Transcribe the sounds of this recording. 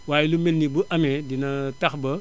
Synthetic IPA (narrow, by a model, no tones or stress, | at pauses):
waːjilumenːibuʔɐmedinɐtɐxbɐ